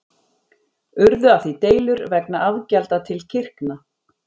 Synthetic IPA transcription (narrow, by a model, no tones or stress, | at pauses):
ʏɾðʏafθit̪eːjlʏɾvɛknaʔavcalt̪at̪ʰɪlcʰɪr̥kna